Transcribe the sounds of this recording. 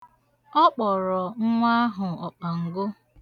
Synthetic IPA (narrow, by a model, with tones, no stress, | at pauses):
ɔ˦k͡pɔ˨ɾɔ˨ŋ̩˦ŋʷa˦a˦ɦʊ˨ɔ˨k͡pa˨ŋ̩˨ɡʊ˦